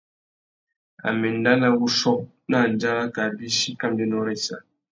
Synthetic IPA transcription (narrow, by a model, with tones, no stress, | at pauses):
a̰˨me˨n̩˦da˦na˦wu˦ʃɔ˦p̚ | na˦˨n̩˨d͡ʒa˦ɾa˦ka˨bi˦ʃi˦ka˦mde˦nɔ˦ɾe˦˨sa̰˨